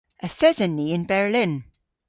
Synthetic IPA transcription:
ʔəθɛzənːiɪ̃nbɛɹlɪ̃n

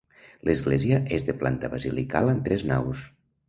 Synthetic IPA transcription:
lʔəzɣleziəʔezðəplant̪əβazilika̰lˠənt̪ɾɛzna̰ws

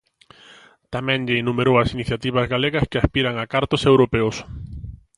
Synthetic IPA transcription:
t̪amɛ̃ŋʎɪːnumeɾowɐsiniθjat̪iβ̞ɐzɣaleɣɐskɪaspiɾaŋakaɾt̪ʊsewɾopeos

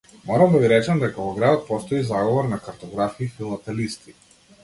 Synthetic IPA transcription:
mɔɾamd̪aviɾɛt͡ʃamd̪ɛkavɔɡɾad̪ɔt̪̚pɔst̪ɔizaɡɔvɔɾnakaɾt̪ɔɡɾafiːfilˠat̪ɛlist̪i

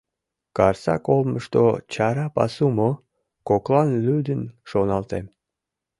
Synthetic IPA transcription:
kɑrsɑ̰kolˠməʃt̪o̰t͡ɕɑɾɑpɑ̰sumo | koklˠɑnlʲyd̪ənʃonɑlˠt̪em

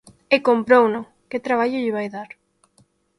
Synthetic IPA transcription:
ekompɾownʊ | kɪt̪ɾaβ̞aʎʊʎɪβajðaɾ

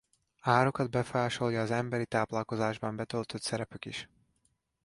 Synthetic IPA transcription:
aːɾo̞kɒd̪bɛfojaːʃo̞ljɒːzɛmbɛɾit̪aːplɒlko̞zaːʒbɒmbɛt̪ølt̪øt̪sɛɾɛpykiʃ

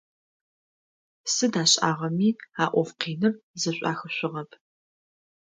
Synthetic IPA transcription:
sɨdaːɕʼaːʁɐmiːaːʔʷɔfqiːnɨrzɐɕʷʼa̰ːxɨɕʷɪʁɐpʰ

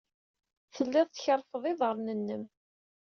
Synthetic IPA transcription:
θəlːæðˤt͡sçəɾˤːfəðˤɪðˤəɾˤnənːəm

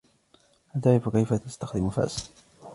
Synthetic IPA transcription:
ʔat̪aʕɾɪfkajfat̪ast̪axd̪ɪmfa̰ːs

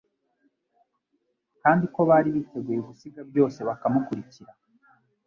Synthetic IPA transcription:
kaːndiko̞βaːɾiβite̞ɡujeɡusiɡabjo̞ːse̞βakamukuɾiciɾa

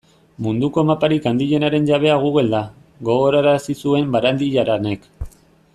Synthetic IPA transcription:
mund̪uko̞mapaɾikand̪iʎe̞naɾe̞nʝaβ̞e̞aɣuɣe̞ld̪a | ɣo̞ɣo̞ɾaɾasisue̞mbaɾand̪iʎaɾane̞k

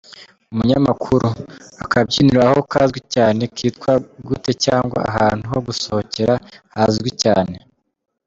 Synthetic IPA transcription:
umuɲamakʰuɾuakʰabɟiːniɾaho̞kaːzɡwicaːne̞kiːtkwaɡute̞caːŋɡwa̰a̰ɦaːn̥huho̞ɡusohoce̞ɾahazɡwicaːne̞

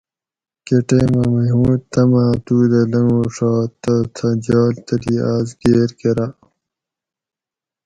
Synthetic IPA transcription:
keʈeːmɐmɐɦũːt̪ɐmaːt̪uːd̪ɐlɐŋũːʂaːt̪ɐt̪ʰɐd͡ʑaːlt̪ɐliːaːzɡeːɾkeɾa

